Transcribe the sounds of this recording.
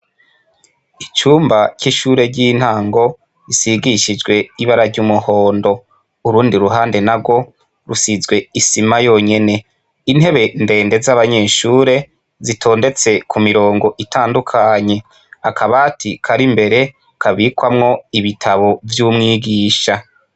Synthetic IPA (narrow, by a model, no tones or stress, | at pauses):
it͡ʃuːmbaciʃuːɾe̞ɟiːn̥haːŋɡo̞ | isiɡiʃid͡ʒɡwe̞iβaɾaɾɟuːmuho̞ːndo̞ | uɾuːndiɾuɦaːnde̞naɡwo̞ | ɾusizɡwe̞isimajo̞ːɲe̞ne̞ | in̥he̞βe̞nde̞ːnde̞zaβaɲe̞ːʃuːɾe̞ | zitʰo̞ːnde̞t͡se̞kʰumiɾo̞ːŋɡo̞ʔitʰaːndukʰaɲe̞ | akʰaβatʰikʰaɾimbe̞ɾe̞ | kʰaβikwamŋo̞iβitʰaβo̞vjuːmŋiːɡiːʃa